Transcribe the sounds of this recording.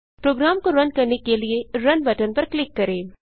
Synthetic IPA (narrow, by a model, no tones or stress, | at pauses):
pɾoːɡɾaːmkoɾɐnkɐɾnekelieɾɐnbɐʈənpɐɾklɪkːɐɾẽː